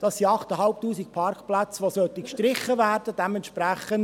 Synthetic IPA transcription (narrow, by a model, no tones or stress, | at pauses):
d̥ɑsiɑχt̪əɦɑlp̚tuːsik̚pʰɑrkplæt͡sʋosœt̪ikʃtɾɪχːəvæːrd̥əd̥ɛmɛntʃpɾæχən